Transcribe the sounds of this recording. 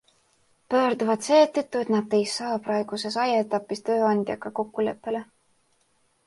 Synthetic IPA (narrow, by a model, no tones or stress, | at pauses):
pø̞ːɾd̪uvɑt̪se̞ːt̪ːet̪ːˑue̞t̪nɑd̪e̞jsɑːpɾɑe̞ɡ̥use̞sɑjɑet̪ːˑɑpːˑist̪ø̞ːɑnʲd̪̥ʲjɑkɑko̞kːule̞pːe̞le̞